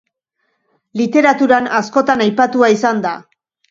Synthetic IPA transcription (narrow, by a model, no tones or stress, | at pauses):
lit̪e̞ɾat̪uɾanasko̞t̪anajpat̪uaisand̪a